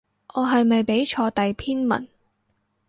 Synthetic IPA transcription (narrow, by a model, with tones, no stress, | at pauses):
ʔɔː˨˧ɦɐ˨jmɐ˨jpe˨˥jt͡ʃʰɔː˧t̪ɐ˨jpʰiː˥nmɐ̰˨˩n